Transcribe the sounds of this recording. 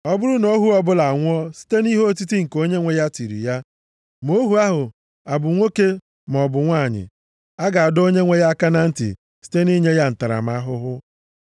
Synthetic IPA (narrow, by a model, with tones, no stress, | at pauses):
ɔ˦bʊ˦ɾʊ˦no˦ɦu˦ɔ˦bʊ˦la˨a˨ŋʷ˦ɔ˦si̥˦te˦ni˦ɦo˦o˦t̬i˦ti˦ŋ̩˨ko˦ɲe˦ŋʷe˦ja˦ti˨ɾḭ˨ja˦ | mo˦ɦu˨a˦ɦʊ˨ | a˨bʊ˨ŋʷo˦ke˦ | m˨ɔ˨bʊ˨ŋʷa˦˨ɲɪ̰˨ | a˦ɡa˨a˨do˦ɲe˦ŋʷe˦ja˦a˦ka˦na˦n̩˦tḭ˨ | si̥˦te˦ni˦ɲe˦ja˦n̩˨ta˨ɾa̰˨m˦a˦ɦʊ˦ɦʊ˦